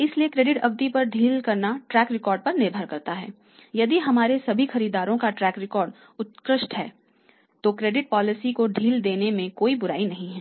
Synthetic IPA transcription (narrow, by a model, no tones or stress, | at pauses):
ɪsliekɾeːɖɪʈɐ̰bd̪ipɐɾɖʱiːlkɐɾnaʈɾɛːkɾɪkɔːɾɖ̚pɐɾnɪɾbʱəɾkɐɾt̪aɦɛ̰ː | jɐd̪iɦɐmaːɾesɐbʱixɐɾiːd̪aːɾõkaʈɾɛːkɾɪkɔːɾɖ | ʊt̪̚kɾɪʃʈɦɛ̰ː | t̪okɾeːɖɪʈ̚pɔːlɪsikoɖʱiːld̪eːnemẽkoːibʊɾa̰ːinɐɦĩɦɛː